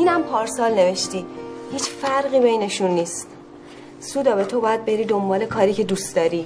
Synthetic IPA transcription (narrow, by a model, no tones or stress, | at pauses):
ʔiːnæmpʰɒːɾsɒːlne̞ve̞ʃt̪iːhiːt͡ʃfæɾɣiːbe̞jne̞ʃunːiːst̪ | suːd̪ɒbe̞t̪ʰo̞bɒːjæd̪̚be̞ɾiːd̪o̞mbɒːle̞kʰɒːɾiːcʰe̞d̪usd̪ɒːɾiː